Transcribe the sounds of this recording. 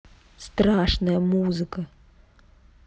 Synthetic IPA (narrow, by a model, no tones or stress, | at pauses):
st̪ɾaːʂnɐjɐmuːzɨkɐ